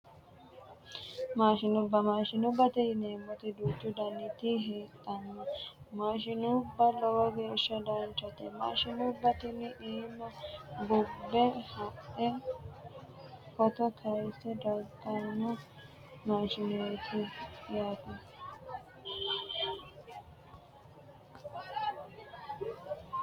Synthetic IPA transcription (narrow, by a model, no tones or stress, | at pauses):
maːʃɪnʊbːɐmaːʃɪnʊbɐt̪ɛneːmːɔt̪ɪd̪uːt͡ʃːʊd̪ɐnːɪt̪ɪɦeːt̪ʼːɐnːɐ | maːʃɪnʊbːɐlɔwɔɡeːʃːɐd̪ɐnt͡ʃːɐt̪ɛma̰ːʃɪnubːɐt̪ɪnːɪʔiːmːɐbʊbːɛhɐʔɛ | kɔt̪ɔt̪ʰɐjsɛd̪ɐlt̪ːɐnːɔ | maːʃɪnjet̪ɪjaːt̪ɐ